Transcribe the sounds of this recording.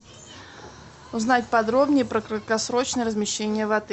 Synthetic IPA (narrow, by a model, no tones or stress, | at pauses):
ʊznatʲpɐd̪ɾo̞bnʲɪjəpɾəkɾət̪̚kɐsɾo̞t͡ɕnəjəɾəzmʲɪɕːenʲɪjəvɐd̪ɨ